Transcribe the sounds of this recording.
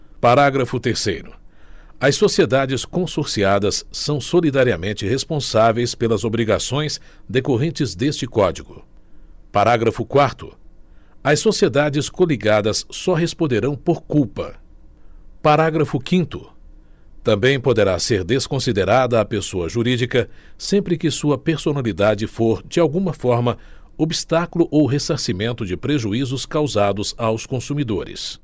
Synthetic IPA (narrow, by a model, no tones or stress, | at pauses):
paɾaɡɾɐfʊt̪eɾsejɾʊ̰ | ɐssosied̪ad͡ʒɪskõsoɾsiad̪ɐsːɐ̃w̃solid̪aɾiɐmẽnt͡ʃɪhespõsavejspelɐzobɾiɡasõj̃sd̪ekoɦẽnt͡ʃɪzd̪est͡ʃɪkɔd͡ʒiɡʊ | paɾaɡɾɐfʊkwaɾt̪ʊ̥ | ɐsosied̪ad͡ʒɪskoliɡad̪ɐsːɔɦespõd̪eɾɐ̃w̃poɾkuwpɐ̰ | paɾaɡɾɐfʊkĩnt̪ʊ | t̪ɐ̃mbẽj̃pod̪eɾaseɾd̪eskõsid̪eɾad̪ɐːpesoɐʒuɾid͡ʒikɐsẽmpɾɪkɪsuɐpeɾsonalid̪ad͡ʒɪfoɾd͡ʒɪawɡũmɐfɔɾmɐ | obist̪akulʊʔowɦesaɾsimẽnt̪ʊd͡ʒɪpɾeʒuizʊskawzad̪ʊzawskõsumid̪oɾɪ̰s